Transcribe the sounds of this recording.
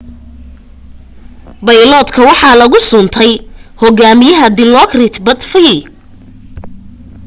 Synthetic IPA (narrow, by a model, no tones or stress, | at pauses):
bɐjlɔːd̪kʰɐwɑħɑlɐɣʊsʊnt̪ʰɛjhɔɡaːmɪjɐɦɐd̪ɪlɔkrɪt̪bɐd̪fi